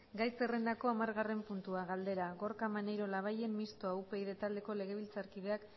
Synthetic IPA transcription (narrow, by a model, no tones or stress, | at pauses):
ɡajsere̞nd̪ako̞amaɾɣare̞mpunt̪uaɣald̪e̞ɾaɣo̞ɾkamanejɾo̞laβ̞aje̞mmist̪oaupe̞iðe̞t̪ald̪e̞ko̞le̞ɣ̞e̞βilt͡saɾkiðe̞ak